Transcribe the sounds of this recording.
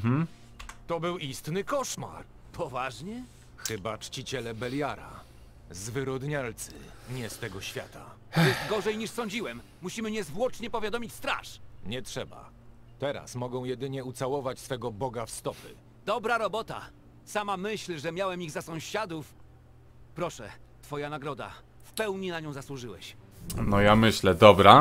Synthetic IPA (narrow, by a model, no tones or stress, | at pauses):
m̩ | t̪ɔbɘwist̪nɘkɔʂma̰ɾ | pʰɔvaʐɲɛ | xɘbat͡ʂt͡ɕit͡ɕɛlɛbɛljaɾa̰ | zvɘɾɔd̪ɲalt̪sɘ̰ɲɛst̪ɛɡɔɕfʲja̰t̪a̰ | jɛst̪ɡɔʐɛjɲiʂsɔɲd͡ʑiwɛmːuɕimɘɲɛzvwɔt͡ʂɲɛpɔvʲjad̪ɔmʲit͡ɕst̪ɾa̰ʂɲɛtʂɛba̰ | t̪ɛɾa̰smɔɡɔ̃w̃jɛd̪ɘɲɛut̪sawɔvat͡ɕsfɛɡɔbɔɡafst̪ɔpɘ̰ | d̪ɔbɾaɾɔbɔt̪a̰ | samamɘɕlʐɛmʲjawɛmiɣzasɔ̃w̃ɕad̪uf | pɾɔʂɛt̪fɔjanaɡɾɔd̪a̰ | fpɛwɲinaɲɔ̃w̃zaswuʐɘwɛ̰ɕnɔjamɘɕlɛd̪ɔbɾa